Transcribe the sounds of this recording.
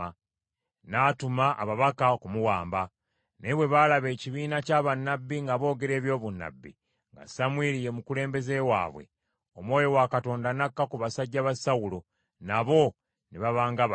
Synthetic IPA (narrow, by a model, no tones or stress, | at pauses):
natumaʔa̰βaβakakumuwaːmba | neβwe̞βalaβe̞ːciβiːnacaːβanːabːiŋɡaβo̞ːɡe̞ɾe̞ːβjo̞ːβunːa̰bːḭ | ŋɡa̰samwiɾije̞mukule̞ːmbe̞ze̞wa̰ːβwe̞̰ | omwo̞ːjo̞wakato̞ːndanakːakuβasaɟːaβasawulo̞ | naβo̞ | niβaβaːŋɡaβ